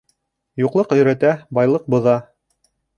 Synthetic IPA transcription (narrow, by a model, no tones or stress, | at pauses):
juqlˠɤqɵ̆jɾæt̪æbɑjlˠɤq̚bŏðɑ